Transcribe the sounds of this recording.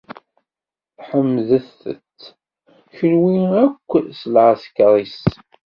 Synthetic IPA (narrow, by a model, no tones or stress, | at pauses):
ħəmːðəθə̰t͡sː | çəlwiækʷːsləʕaskːɾˤis